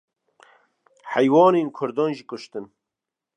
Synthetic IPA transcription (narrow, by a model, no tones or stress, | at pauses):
hæjwɑːneːnkʰʊɾd̪ɔːnʒikʊʃt̪ɨn